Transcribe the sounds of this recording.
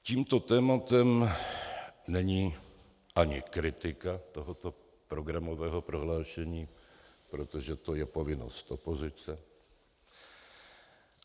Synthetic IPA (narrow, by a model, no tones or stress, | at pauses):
ciːmt̪o̞t̪ɛːmat̪ɛm | nɛɲiː | ʔaɲɪkɾɪt̪ɪkat̪o̞ɦot̪o̞ | pɾo̞ɡɾamo̞vɛːɦo̞pɾo̞ɦlaːʃɛɲiːpɾo̞t̪o̞ʒɛt̪o̞jɛpo̞vɪno̰st̪ʔo̞po̞zɪt͡sɛ